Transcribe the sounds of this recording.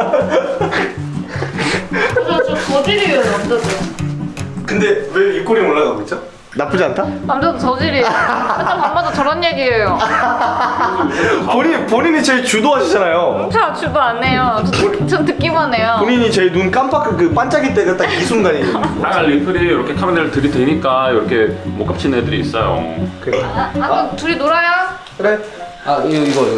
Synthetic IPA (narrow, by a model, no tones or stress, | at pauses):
omt͡ɕʌd͡ʑiɾionʌp̚t͈ʌse | kɯnde̞weik͈oɾioɭːaɡaet͡ɕ͈o | nap͈ɯd͡ʑiantʰaamd͡ʑʌdot͡ɕʌd͡ʑiɾiaanmbʌdot͡ɕʌɾʌnjeɡiejo | poɲipoɲiɲit͡ɕeit͡ɕudoɦaɕʰid͡ʑanajo | t͡ɕʰat͡ɕudoanːejot͡ɕʌmtɯk͈imoanejopoɲiɲit͡ɕeinunk͈ampʰakʰɯkɯp͈ant͡ɕ͈ʰaɡit͈eɡɯt͈ak̚isʰunɡaɾieaɡalːipʰɯɾijoɾʌkʰe̞kʰamenɯɭtɯɾideɲik͈ajoɾʌkʰe̞mok͈ap̚t͡ɕʰinedɯɾiːs͈ʌjo̰keatuɾinoɾaja | kɯɾe | aiiɡʌ